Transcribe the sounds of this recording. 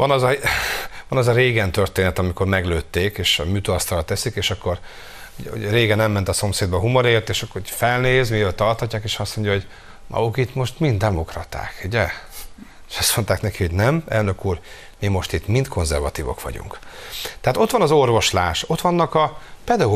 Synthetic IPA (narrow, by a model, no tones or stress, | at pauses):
vɒnɒzɒ | ʋɒnɒzɒɾeːɡɛnt̪ørt̪eːnɛt̪ɒmiko̞rmɛɡløːt̪ːeːkeːʃɒ̰myːt̪oɒst̪ɒlɒt̪ɛsikeːʃɒkːo̞r | uo̰ɾeːɡɛnɛmːɛnt̪ɒso̞mseːd̪̚bɒɦumoɾeːrt̪eːʃɒkːorofɛlneːzmiølt̪ɒrt̪hɒcːaːkeːʃɒst̪mo̞ɲɟjɒɦo̞ɟ | mʔɒ̰ukit̪mo̞ʃt̪mind̪d̪ɛmo̞krɒt̪a̰ːkuɟɛ | eʃɒst̪mo̞nt̪aːknɛkiho̞ɟnɛmɛ̰lnø̞kuːr | mimo̞ʃt̪it̪mint̪kʰo̞nzɛ̰rvɒ̰t̪iːvo̰kʋɒ̰ɟṵŋkt̪ɛɦat̪o̞t̪ʋɒnɒzo̞rvo̞ʃlaːʃo̞t̪ʋɒnːɒkɒpɛd̪ɒɡ